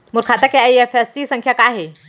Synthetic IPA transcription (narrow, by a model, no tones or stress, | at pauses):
muɾkʰat̪əkeajefesʈisə̃ŋkʰjakaɦe